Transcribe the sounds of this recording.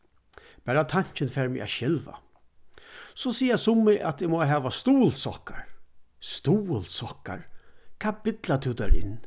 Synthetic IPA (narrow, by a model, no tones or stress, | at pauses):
b̥æːɾat̪ʰaɲ̥t͡ʃɪnfɛːɹmɪ̰ʔa̰ʃɛlva̰ | sɔsiːasʊmːɪʔat̪ɪmɔːɦɛːʋast̪uːlsɔkaɹst̪uːlsɔka̰ɹkʰaːbɪt̪lat̪ʰɪwd̪ɛɹɪ̰nː